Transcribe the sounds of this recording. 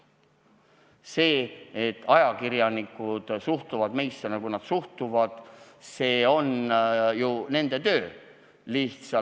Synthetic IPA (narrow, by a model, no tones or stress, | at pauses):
se̞ːet̪ːˑɑjɑkiɾjɑnikːˑud̪̥suht̪uvɑd̪me̞jst̪ɑnɑkujnɑd̪̥suht̪uvɑd̪̥ | se̞ːo̞njune̞nd̪̥e̞t̪ø̞ː | liht̪sɑ